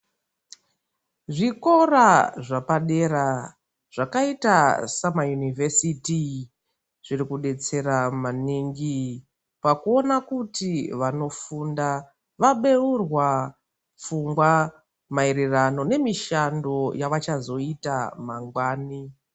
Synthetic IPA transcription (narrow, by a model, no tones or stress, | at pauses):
ʐiko̞raʐapaɗe̞ɾa | ʐ̥akaitasamajunivʱesiti | ʐ̥iɾikuɗe̞t͡se̞ɾamaniŋɡi | pakuo̞nakutiʋano̞funda | ʋaɓe̞urwa | p͡fuŋɡwa | maiɾirano̞ne̞miʃando̞jaʋat͡ʃazo̞itamaŋɡwaːni